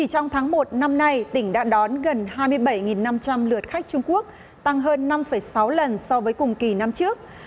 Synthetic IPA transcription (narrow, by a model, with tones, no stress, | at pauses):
t͡ɕi˨˩t͡ɕɔ˧wŋ͡mt̪ʰaː˨˦ŋmo˨˩t̚na˧mna˧jt̪ï˧˩ŋ̟ɗa̰ː˧˥ɗɔ˨˦nɣə˨˩nhaː˧jmɨ˧əjɓə˧˩jŋi˨˩nːa˧mt͡ɕa˧mlɨ˨˩ət̚xa˦˥k̟̚t͡ɕʊ˧ŋ͡mku˦˥ək̚ | t̪a˧ŋɦəː˧nːa˧mfə˧˩jsa˨˦wlə˨˩nsɔ˧vəː˨˦jkʊ˨˩ŋ͡mki˧˩na˧mt͡ɕɨ˦˥ək̚